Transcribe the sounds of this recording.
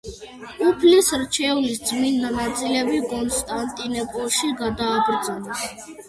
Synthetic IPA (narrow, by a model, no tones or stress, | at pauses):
upʰlisɾt͡ʃʰɛulisd̪zminːanat̪sʼilɛbikʼɔnst̪ʼant̪ʼinɛpʼɔlˠʃiɡad̪aːbɾd̪zɔnɛs